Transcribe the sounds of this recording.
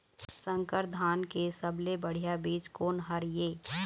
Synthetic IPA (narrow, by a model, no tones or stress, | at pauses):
sə̃ŋkəɾd̪ʱaːnkesəblebəɽ̤ijabiːt͡ʃkoːnɦɐɾjeː